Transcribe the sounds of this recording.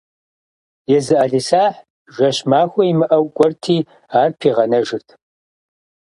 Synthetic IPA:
jɛzɨʔaːɮiːsaːħ | ʒʷɐɕmaːxʷɔimɨʔɐwkʷʼɔrtʰiː | aːrpʰiːʁɐnɐʒɪrtʰ

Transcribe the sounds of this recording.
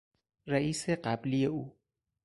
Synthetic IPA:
ɾæʔiːseɢæbliːjeuː

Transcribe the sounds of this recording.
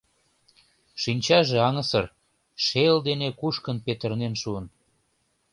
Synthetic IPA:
ʃinʲt͡ɕɑʒeɑŋəsər | ʃeld̪enekuʃkənpet̪ərnenʃuən

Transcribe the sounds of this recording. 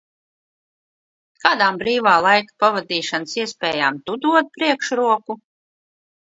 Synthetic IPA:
kaːd̪aːmbɾiːvaːlˠajkḁpavad̪iːʃansiɛspʲɛːjaːmt̪ud̪uɔt̪̚pɾiɛkʃɾuɔku

